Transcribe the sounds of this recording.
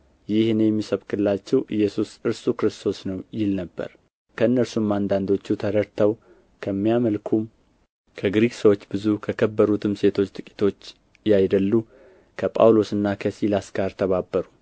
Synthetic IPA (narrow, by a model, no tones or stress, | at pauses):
jɪhnjɛmːisəβkʰʼɨlːat͡ʃːɛwʔɨjːɛsusɨɾsukɾɨst̪ʰo̞snəwjɪlnəbːə̰ɾ | kʰəɨnːəɾsumːand̪and̪o̞t͡ʃːut̪ʰəɾəɾt̪ʰaw | kʰəmːijaməlkʰum | kʰəɡɾiksəwo̞t͡ʃːbɨzukʰəkʰəbːəɾut̪ʰɨmse̞t̪ʰo̞t͡ʃːt̪ʼɨkʼi̥t̪ʰo̞t͡ʃː | jajd̪əlːu | kʰəpʼa̰wlo̞sɨnːakʰəsilasɡaɾt̪ʰəβabːəɾu